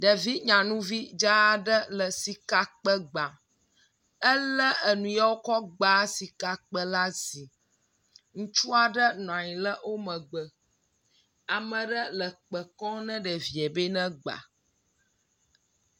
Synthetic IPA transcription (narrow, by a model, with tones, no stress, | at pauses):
ɖə˨vi˦ɲã˨nũ˦vi˦d͡ʒa˦ɖə˦lə˨si˨ka˨k͡pə˦ɡ͡ba˨ | ə˦lə˦ʔə˨nũ˨ja˦wo˦kɔ˦ɡ͡ba˨˦si˨ka˨k͡pə˦la˦zi˨ | ŋũ˦t͡ʃu˦a˨ɖə˦nɔ̃˨ã˨ɲĩ˨lə˦wo˦mə̃˨ɡ͡bə˨ | a˨mə̃˨ɖə˦lə˨k͡pə˨kɔ̃˦nɛ̃˦ɖə˨vi˨ɛ˨be˦nɛ̃˦ɡ͡ba̰˨